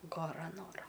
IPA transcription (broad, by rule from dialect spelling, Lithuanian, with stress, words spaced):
ɡɐˈrɐ ˈnoːrɐ